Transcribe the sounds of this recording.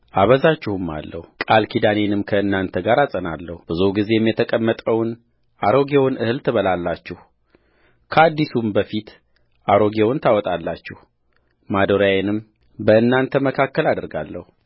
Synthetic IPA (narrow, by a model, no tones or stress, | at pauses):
ʔaβəzat͡ʃːɪhɨmːa̰lːəhukʼalkʰid̪anenɨmkʰəɨnːant̪ʰəɡaɾasʼəna̰lːəhub̥ɨzuɡize̞jɛmjɛt̪ʰəkʼəmːət̪ʼəwn | ʔaɾo̞ɡewnʔɨhɨlt̪ʰɨβəlalːat͡ʃːɛh | kʰəad̪ːisumbəfit̪ | ʔaɾo̞ɡewnt̪ʰawɔt̪ʼalːat͡ʃːɛh | mad̪oɾajenɨm | bəɨnːant̪ʰəməkʰakːəlad̪ɨɾɡa̰lːəhu